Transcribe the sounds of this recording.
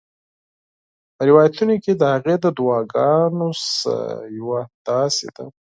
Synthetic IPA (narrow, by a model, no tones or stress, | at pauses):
pəɾɪwɑjat̪unoked̪əhaɣed̪əd̪uwɑɡɑnosjawad̪̥ɑsḛd̪̥a